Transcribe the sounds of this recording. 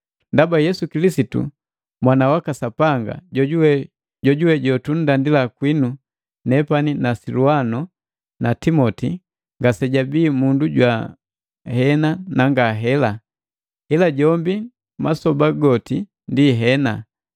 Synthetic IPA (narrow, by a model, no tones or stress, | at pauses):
ndabajɛsukilisitṵ | mwanawakasapaŋɡa̰ | ɟɔɟuwɛɟɔtun̩dandilakwinu | nɛpaninasiluanɔ | natimɔti | ŋɡasɛɟabiːmunduɟwa | hɛnanaŋɡaɦɛla | ilaɟɔmbi | masɔbaɡɔti | ndiɦɛna̰